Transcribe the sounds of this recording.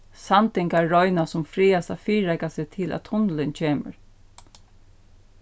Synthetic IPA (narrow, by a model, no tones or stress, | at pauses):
sant̪ɪŋkaːɔʏnasʊmfɾiːast̪a̰fiːɛkasɛt̪ʰɪlʔæ̰t̪ʰːʊnlɪnt͡ɕʰeːmə̰ɹ